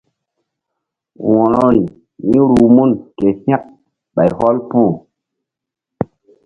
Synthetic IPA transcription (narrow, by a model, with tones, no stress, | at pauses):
wɔ˨ɾɔ˦˨ni˨ | ni˦ɾu˨mu˦˨nke˨sĩ˦a˦k̚ | ɓa˨jhɔ˦lpu˦˨